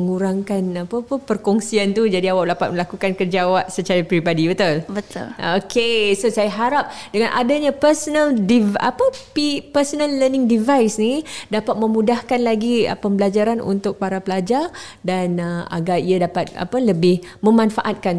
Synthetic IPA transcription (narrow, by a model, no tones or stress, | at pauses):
əŋuɾaŋkanapapəpərkɔŋsiant̪ud͡ʒadiawaʔlapat̪̚məlakukankərd͡ʒawaʔsət͡ʃaɾapɾibadibət̪ʊlbət̪ʊlokʰesosajaɦaɾap̚dəŋanʔa̰daɲapərsɔnaldiva̰papipərsonalːənɪ̃ŋdivajsnidapat̪̚mə̃mudahkanlaɡia̰pəmbəlad͡ʒaɾanʔṵnt̪ʊk̚paɾapəlad͡ʒar | danəa̰ɡariadapat̪̚a̰pələbɪh | mə̃manfaʔat̪̚kan